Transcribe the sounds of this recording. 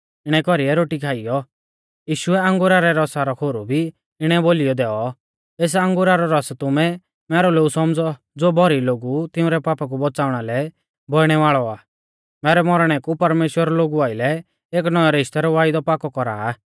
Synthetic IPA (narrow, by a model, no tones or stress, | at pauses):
ɪɽ̃ɛkɔɾiɛɾoːʈikʰaːɪjɔ | jiːʃʊɛãŋɡuɾaɾɛɾɔsaɾɔkʰoːɾubʱi | ɪɽ̃ɛboːlijɔd̪ɛːɔ | eːs̬ãŋɡʊɾaɾɔɾɔst̪ʊmɛ | mɛːɾɔloːɡusɔmd͡zɔ | d͡zoːbʱɔɾiloːɡut̪ɪʊ̃ɾɛpaːpak̬ubɔt͡saːʊɽ̃alɛ | bʱɔɪɽ̃ɛʋaːɭɔaː | mɛːɾɛmɔɾɽ̃ɛkupɐɾmeːʃwəɾɔloːɡuaːɪlɛ | eːknɔaɾɪʃt̪ɛɾɔʋaːɪd̪ɔpaːkɔkɔɾaː